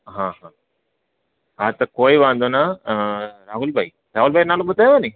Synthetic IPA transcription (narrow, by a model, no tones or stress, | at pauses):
ɦãɦãː | at̪ɐkoːiʋãːnd̪ona | ɾaːɦulbʱai | ɾaːɦulbʱainaːlobət̪aeʋanĩ